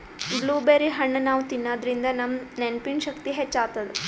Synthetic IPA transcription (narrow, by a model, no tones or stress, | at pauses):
bluːbeɾiɦɐɳːɐnaːʋut̪inːaːd̪ɾind̪ɐnɐmnenpinʃɐkt̪iɦet͡ʃːaːt̪ːɐd̪u